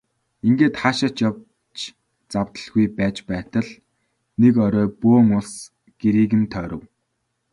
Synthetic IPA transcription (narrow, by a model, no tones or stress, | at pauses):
iŋɡeːt̪χaʃə̆t͡ɕjaw | t͡ɕ | t͡saw̥t̪ə̥̆ɮɣujpæːt͡ɕpæːt̪ə̆ɮ | nekœɾœːpoːŋʊɮs | ɡ̥eɾiːɣɘ̆nt̪ʰœːɾə̆w